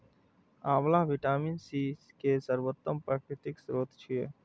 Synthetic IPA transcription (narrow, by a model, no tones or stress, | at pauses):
aːmlaɦʋiʈaːminsiːskesəɾʋot̪ːəmpɾaːkʰɾɪʈɪksɾoːt̪t͡ʃʰie